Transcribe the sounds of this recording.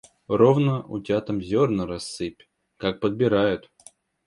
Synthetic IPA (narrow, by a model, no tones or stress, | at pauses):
rovnəʔʊ̰tʲat̪əmzʲornəɾɐsːɨpʲ | kak̚pəd̪̚bʲɪɾajʊt̪